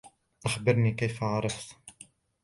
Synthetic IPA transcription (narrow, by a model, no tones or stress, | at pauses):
ʔaxbəɾnikajfaʕɑɾˤɑft̪